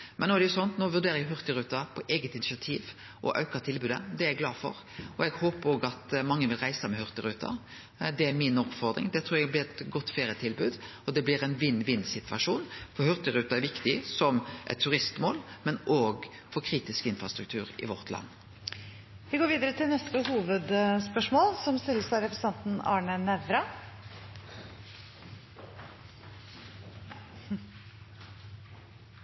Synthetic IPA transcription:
mʔɛnːoːæd̪ɛjʊsɔnt̪noːʋʉʁd̪eːɾəjɛɦʉɾt̪əɾʉːt̪ɑpʰɔʔɛːɡət̪ɪnɪsɪɑt̪ʰiːʋ | ʔɔ̰ʔɑ̰ʉkəʁt̪ʰɪlbʉːd̪ə̰d̪ɛæɾɛɡlɑːfɔ̰ɾ | ɔɛɡhoːpəɾoːɡɑt̪mɑŋːəʋɪlʁæɪsəmɛhʉɾt̪əɾʉːt̪ʰɑ̰ | d̪ɛæɾmɪnɔpfɔʁd̪ɾɪ̰ŋd̪ɛt̪ʰɾːɾɛɡblɪɾɛt̪ɡɔt̪ːfeːɾɪət̪ʰɪlbʉːd̪ | ɔd̪ɛblɪɾɛnʋɪnːʋɪnːsɪt̪ʋɑʂuːnfɔhʉɾt̪əɾʉːt̪ɑæɾʋɪkt̪ɪsɔmʔɛ̰t̪ʰːʉʁɪst̪moːlmɛnʔoːɡ | fɔɾkʰɾiːt̪ɪskɪnfʁɑst̪ɾʉk̚t̪ʰʉːʁɪ̰ʋɔʁt̪ʰlɑ̰nː | ʋɪɡoːɾʋiːd̪əɾət̪ʰɪlnœst̪əhuːʋəd̪spœʂmoːlsɔmst̪ɪlːəsæɪɾɛfɾəsɑnt̪n̩ɑːɳənɛʋɾɑ

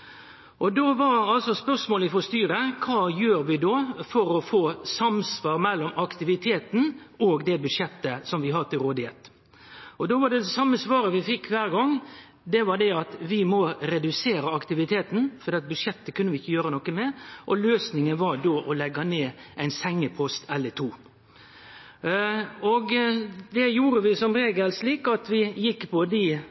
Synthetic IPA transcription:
ʔɔd̪oʋɑɾɑlsɔspœɾsmoːlɪfɔst̪yːɾəkʰɑːjøːɾʋɪd̪oːfɔɾɔfoːsɑmsʋɑːɾmɛlːɔmɑkt̪ɪʋɪt̪ʰeːt̪n̩oːɡd̪ɛbʉd̪ʂjɛt̪ːəsɔmʋɪɦɑd̪t̪ɪlɾoːd̪ɪheːt̪ | ʔɔd̪oːʋɑɖɛɛsɑmːəsʋɑːɾəʋɪfɪkːʋæːɾɡɔŋ | d̪ɛʋɑɾɖ̪ɛɑt̪ʋɪmɔɾɛd̪ʉseːɾəɑkt̪ɪʋɪt̪ʰeːt̪n̩fɔd̪ɛːɑt̪̚bʉd̪ʂjɛt̪ːəkʰʉnːəʋɪɪçːəjøːɾənɔkːəmɛʔɔløːsnɪŋənʋɑdoːʔɔlɛɡːɑneːʔæɪnsɛŋːəpʰɔst̪ʰɛlːət̪ʰuː | ɔɡd̪ɛjuːɾəʋɪsɔmɾeːɡəlsliːkɑt̪ʋɪjɪkːpʰɔd̪ɪ

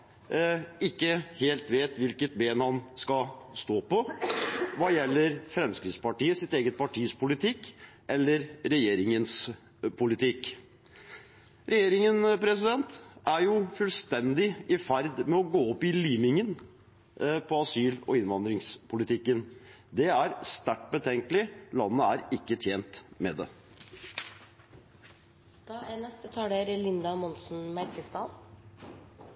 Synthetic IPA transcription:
ɪkːəheːlt̪ʋeːt̪ʋɪlkət̪̚beːnhɑnskɑst̪oːpɔ | ʋɑːjɛlːəɾfɾɛmskɾɪt̪spɑʈiːəsɪt̪eːɡət̪̚pʰɑʈʰiːspʰʊlɪt̪ʰɪkːʔɛlːəɾɾɛjeːɾɪŋəns | pʰʊlɪt̪ʰɪk | ɾɛjeːɾɪŋənpʰɾɛs̬ɪd̪ɛnt̪æɾjʊfʉlst̪ɛnd̪ɪʔɪfæɾd̪mɛɔɡoːɔpːɪliːmɪŋən | pʰɔɑsyːlɔ̰ɪnʋɑnd̪ɾɪŋspʰʊlɪt̪ʰɪkːən | d̪ɛæɾst̪æʈbət̪ʰɛŋkəlɪlɑnːəæɾɪkːət̪ʰjeːnt̪mɛ̰d̪ɛ̰ | d̪̥ɑːænɛst̪ət̪ʰɑːɖeɾlɪnd̪ɑmɔnsn̩mæɾkəst̪ɑːd̪

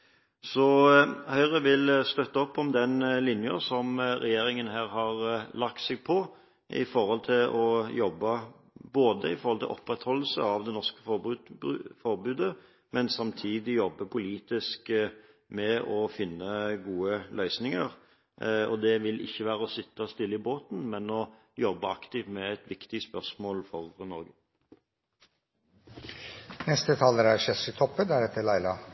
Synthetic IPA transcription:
sɔhœʏʁəʋɪlst̪œt̪ːɑɔpːɔmd̪ɛnlɪnjəsɔmɾɛjeːɾɪŋənɦæːɾɦɑɾlɑk̚t̪sɛːɡ̚pʰɔ | ɪ̰fɔɾhɔlt̪ʰɪlʔɔjɔbːə | boːd̪əɪfɔɾhɔlt̪ʰɪ̰lʔɔ̰pːɾɛt̪hɔlːəsəɑʋd̪ɛnɔʁskə̥f | fɔɾbʉːd̪ə | mɛnsɑmt̪ʰiːd̪ɪjɔbːəpʰʊliːt̪ɪsk | mɛʔɔfɪnːəɡuːəlœʏsnɪŋəʁ | ɔd̪ɛʋɪlʔɪ̰çːəʋæːɾəɔsɪt̪ːəst̪ɪlːəɪboːt̪n̩mɛnɔ | jɔbːəɑkt̪ɪʋmɛæt̪ʋɪkt̪ɪspœʁsmoːlfɔʁnɔɾɡə | nɛst̪ət̪ʰɑːləɾæɾʃɛsɪt̪ʰɔpːəd̪æɾɛt̪ʰːəlæɪlɑ

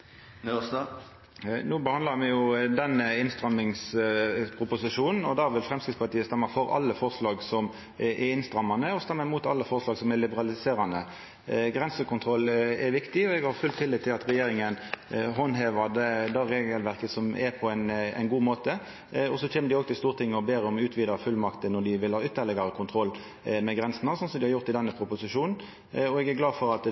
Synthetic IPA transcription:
ns | nuːbəhɑnd̪lɑɾmɛjʊd̪ɛnəɪnst̪ɾɑmːɪŋspʰɾʊpʊsɪʂuːnn̩ɔd̪æːʋɪlfʁɛmskɪd̪spɑʈ̪iːəst̪ɛmːəfɔɾɑ̰lːəfɔʁʂlɑːɡsɔm | ʔɛɪnst̪ɾɑmɑnəɔst̪ɛmːəmuːt̪ɑlːəfɔʁʂlɑːɡsɔmɛɾlɪbəɾɑlɪseːɾɑnə | ɡɾɛnsəkʊnt̪ʰʁɔlːɛɾʋɪkt̪ɪɔɛɡhɑɾfʉlt̪ʰɪlːiːt̪ʰːɪlɑt̪ɾɛjeːɾɪŋənɦɔnɦeːʋɑd̪ɛd̪ɑɾeːɡəlʋæɾkəsɔmɛɾpʰɔɛɪnɛ̰ɪnɡuːmoːt̪ə | ɔsɔt͡ʃʰeːnməd̪ɪɔɡ̚t̪ʰɪst̪uːʁt̪ʰɪŋːəɔbeːɾəɔmʉːt̪ʰʋiːd̪əfʉlːmɑkt̪ənɔd̪ɪʋɪlhɑːʏt̪ːəɾlɪɡɑɾəkʰʊnt̪ʰɾɔlː | mɛɡʁɛnsənɑsɔnsɔmd̪ɪhɑɾjʊʁt̪ːɪd̪ɛnːəpʰɾʊpʊsɪʂuːnn̩ | ɔɛɡæɾɡlɑːdfɔɾɑt̪

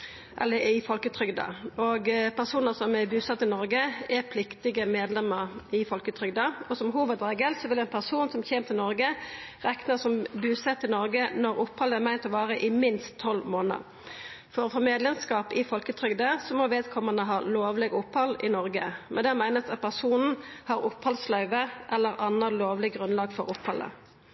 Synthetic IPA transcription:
ʔɛlːəɪfɔlkət̪ʰɾʏɡd̪ə̰ɔɡpʰæʁsuːnəsɔmæbʉːsɑt̪ːɪnɔɾɡəɛʁpʰlɪkt̪ɪɡəmeːd̪lɛmːəʁɪfɔlkət̪ʰɾʏɡd̪ɑɔsɔmɦuːʋəd̪ɾeːɡəlsɔʋɪlɛɪnpʰæʁsuːnsɔmçeːmt̪ʰɪlnɔɾɡəʁɛknəsɔmbʉːsɛt̪ːɪlnɔɾɡənɔɾʊpːhɑləæmæɪnt̪ɔʋɑːʁəʔɪmɪnst̪ʰːɔlːmoːnə̰ʁ | fɔːɾəfɔmeːd̪lɛmskɑːpɪfɔlkət̪ʰʁʏɡd̪əsɔmɔʋeːd̪kʰɔmənəɦɑːloːʋlɪɡʊphɑlɪnɔʁɡəmɛnd̪ɛɑmæɪnəsɑt̪̚pʰæʁsuːnn̩hɑːʁʊphɑlslœʏʋəʔɛlːəɾɑnːəloːʋlɪɡʁʉnlɑːɡfɔʁʊphɑlːə̰

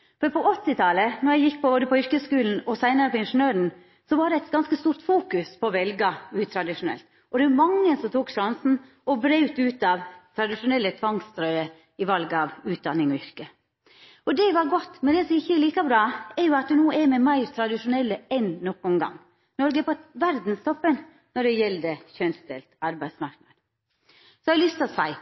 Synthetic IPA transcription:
fɔɾpʰɔʔɔt̪ːɪt̪ʰɑlənɔjæɪjɪk̚ːpʰɔboːd̪əpɔʏɾkəskʉːln̩ɔsæɪnɑɾəpɔɪnʂənøːɾn̩ | sɔʋɑɖɛɛɪt̪ɡɑnskəst̪uːɾt̪fuːkʉspʰɔːʋɛlɡɑʉːt̪ʰɾɑd̪ɪʂʊnɛ̰lt̪ | ɔd̪ɛʉʊmɑŋːəsɔmt̪ʰuːkʂɑnsn̩ | ɔbɾeʉt̪ʉːt̪ɑʋt̪ʰɾɑd̪ɪʂʊnɛlːət̪ʰʋɑŋst̪ɾœʏə | ɪʋɑlɡəɑʋʉːt̪̚d̪ɑnːɪŋɔʏɾkə | ɔd̪ɛʋɑɾɡɔt̪ːmɛnd̪ɛsɔmɪçːəɛliːkɑbɾɑːɛɾjʊɑt̪̚d̪ʉnuːɛɾmɛmæɪɾt̪ʰɾɑd̪ɪʂʊnɛlːəɛnːɔkːʊnɡɑ̰ŋː | nɔɾɡəpʰɔt̪ʋæɾd̪n̩st̪ʰɔpːən | nɔɖɛjɛld̪əçœnsd̪ɛ̰lt̪ɑɾbæɪsmɑɾknɑɾ | sɔɑlʏst̪ɔsæɪ

